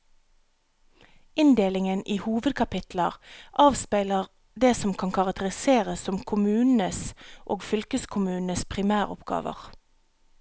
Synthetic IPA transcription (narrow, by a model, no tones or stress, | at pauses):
ɪnd̪eːlɪŋəniːhuːʋəd̪̚kʰɑpɪt̪ləʁʔɑːʋspæɪləʁ | d̪eːsɔmkʰɑnkʰɑʁɑk̚t̪əʁɪseːʁəssɔmkʰʊmʉːnn̩əsʔoːɡfʏlkəskʰʊmʉːnəspʰʁɪmæːʁʊ̰pɡɑ̰ːʋə̰ʁ